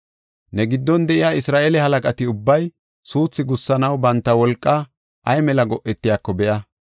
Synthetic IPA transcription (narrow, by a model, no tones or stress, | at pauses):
nɛɡɪd̪ːɔnd̪ɛʔɪjaːɪsɾaːʔeːlɛhɐlɐkʼɐt̪ɪʊbːɐj | suːt͡sːɪɡʊsːɐnɐwbɐnt̪ːɐwɔlkʼːɐ | ʔɐjmɛlɐɡɔʔːɛt̪ːɪjaːkːɔbɛʔɐ